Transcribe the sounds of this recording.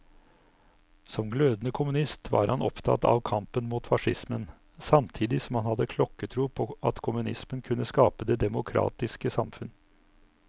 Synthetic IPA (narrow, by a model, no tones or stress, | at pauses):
sɔmɡløːd̪nəkʰʊmʉnɪst̪ʋɑ̰ːɾhɑnɔpt̪ʰɑ̰t̪ɑ̰ːʋkʰɑmpənmuːt̪fɑʂɪsmən | sɑmt̪ʰiːd̪ɪsɔmhɑnhɑd̪ːəkʰlɔkːət̪ʰɾuːpʰɔʔɑt̪kʰʊmʉnɪsmənkʰʉnːəskɑːpəd̪eːd̪ɛmʊkʰɾɑ̰ːt̪ɪskəsɑmfʉn